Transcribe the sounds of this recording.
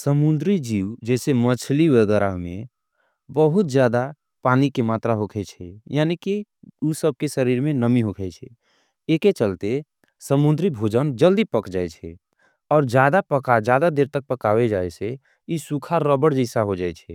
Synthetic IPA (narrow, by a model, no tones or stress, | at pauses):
səmund̪ɾid͡ʒiːwd͡ʒɛːsemət͡ʃʰliʋəɡɛɾamḛ̃ | bəɦʊt̪̚d͡ʒjaːd̪a | paːnikemaːt̪ɾaɦokʰɛt͡ʃʰɛjanikiusəb̚kesəɾiːɾmẽnəmiɦokʰɛt͡ʃʰɛ | eːket͡ʃəlt̪e | səmund̪ɾibʱod͡ʒənd͡ʒəld̪ipəkd͡ʒaːɛt͡ʃʰɛ | ɔːɾd͡ʒjad̪apəkad͡ʒjad̪ad̪eːɾt̪ək̚pəkawed͡ʒaese | isukʰaɾəbəɽd͡ʒəɪsaɦod͡ʒaːɛt͡ʃʰɛ